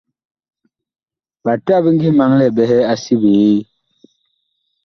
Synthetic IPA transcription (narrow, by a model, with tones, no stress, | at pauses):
ba˨ta˦˨bi˦ŋ˦ɡi˦ma˦ŋlɛ˦˨bɛ˦ɦɛ˦a˦si˦bi˨e˦